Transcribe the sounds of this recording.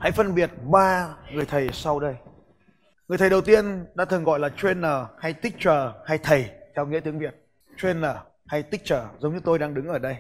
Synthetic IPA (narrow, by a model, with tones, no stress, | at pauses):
ha̰˧˥jfə˧nɓi˨˩ət̚ɓaː˧ŋɨ˨˩əjt̪ʰə˨˩jsa˧wɗə˧j | ŋŋɨ˨˩t̪ʰə˨˩jɗə˨˩wt̪i˧ənɗa̰ː˧˥t̪ʰɨ˨˩nŋɣɔ̰˧˨jlaː˨˩t͡ɕwe˧nəː˨˩ha˧jt̪ï˦˥k̚t͡ɕəː˨˩ha˧jt̪ʰə˨˩jt̪ʰɛ˧wŋḭ˧˥t̪ɨ˨˦ŋvi˨˩ət̚ | t͡ɕwe˧nəː˨˩ | ha˧jt̪i˦˥k̚t͡ɕəː˨˩zə˨˦wŋ͡mɲɨ˧˦t̪o˧jɗaː˧ŋɗɨ˨˦ŋʔəː˧˩ɗə˧j